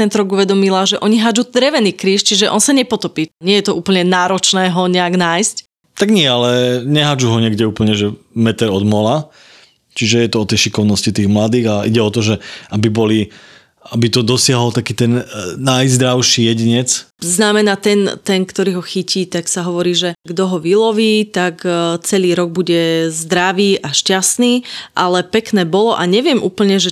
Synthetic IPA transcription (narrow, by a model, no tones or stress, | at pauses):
t̪ɛnt̪ɔɾɔɡuʋɛd̪ɔmilaʒɛʔɔɲiɦad͡ʒud̪ɾɛʋɛnikɾiːʃt͡ʃiʒɛʔɔ̰nsaɲɛpɔt̪ɔpiːɲɪɛjɛt̪ɔʔuːpl̩ɲɛnaːɾɔt͡ʃnɛːɦɔɲɛaɡnaːjsc | t̪aɡɲɪɛalɛɲɛɦad͡ʒuɦɔɲɪɛɡɟɛuːpl̩ɲɛʒɛmɛt̪ɛɾɔd̪mɔla | t͡ʃiʒɛjɛt̪ɔɔt̪ɛjʃikɔʊnɔscit̪iːɣmlad̪iːɣaʔḭɟɛɔt̪ɔʒɛabibɔli | abit̪ɔd̪ɔsɪaɦɔlt̪akiːt̪ɛnːajzd̪ɾaʊʃijɛɟiɲɛt͡sznamɛnaːt̪ɛnt̪ɛnkt̪ɔɾiːɦɔxiciːt̪aksaɦɔʋɔɾiːʒɛɡd̪ɔɦɔʋilɔʋiːt̪akt͡sɛliːɾɔɡ̚buɟɛzd̪ɾaʋiːʔaʃcasniːʔalɛpɛknɛːbɔlɔʔaɲɛʋɪɛmʔuːpl̩ɲɛʒɛ